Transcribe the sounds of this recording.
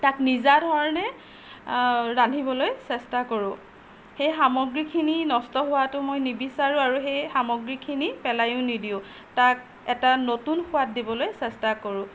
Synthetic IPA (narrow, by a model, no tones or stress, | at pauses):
taknizadʱɔɹɔnɛ | ɹandʱibɔlojsɛstakoɹʊ̃ | xejxamɔɡɹikʰininɔstɔɦʊwatʊmojnibisaɹʊ̃aɹuxejxamɔɡɹikʰinipɛlajʊ̃nidiʊ̃ | tak̚ | ɛtanotunxʊwat̚dibɔlojsɛstakoɹʊ̃